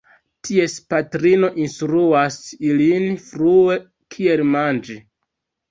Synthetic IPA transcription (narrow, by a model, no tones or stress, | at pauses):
tʰie̞spatɾino̞ʔinstɾuasilinfɾue̞ | kʰie̞lmand͡ʒi